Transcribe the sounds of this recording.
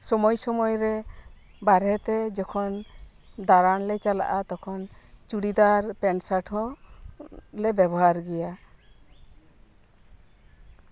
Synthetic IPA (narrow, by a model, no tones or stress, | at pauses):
sɔmɔjsɔmɔjɾɛ | baɾɛt̪ɛd͡ʒɔkʰɔn | d̪aɾanlɛt͡ʃala̰ʔat̪ɔkʰɔnt͡ʃuɽid̪aɾpɛnsaʈʰɔ̃ | lɛbɛbɔɦaɾɡɛja